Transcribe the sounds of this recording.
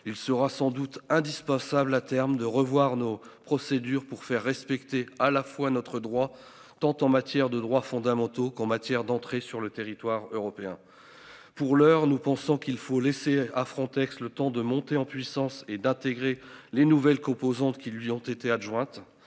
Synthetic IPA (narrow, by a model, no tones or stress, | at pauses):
ilsəʁasɑ̃d̪ut̪ɛ̃d̪ispɑ̃sablat̪ɛʁmd̪əʁəvwaʁnopχɔsed̪yʁpuʁfɛʁːɛspɛkt̪ealafwanɔt̪χəd̪ʁwa | t̪ɑ̃t̪ɑ̃mat̪jɛʁd̪əd̪ʁwafɔ̃d̪amɑ̃t̪okɑ̃mat̪jɛʁd̪ɑ̃t̪χesyʁlət̪eʁit̪waʁøʁɔpeɛ̰̃ | puʁlœʁnupɑ̃sɔ̃kilfoleseafχɑ̃t̪ɛkslət̪ɑ̃d̪əmɔ̃t̪eɑ̃pɥisɑ̃sed̪ɛ̃t̪eɡʁelenuvɛlkɔ̃pozɑ̃t̪kʲilɥiɔ̃t̪et̪eaʒwɛ̃t̪